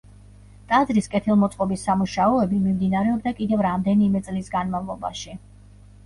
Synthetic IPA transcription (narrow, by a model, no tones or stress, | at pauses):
t̪ʼazɾiskʼɛt̪ʰilˠmɔt̪sʼqʼɔbisːamuʃaɔɛbimimd̪inaɾɛɔbd̪akʼid̪ɛvɾamd̪ɛnimɛt̪sʼlisɡanmavlˠɔba̰ʃi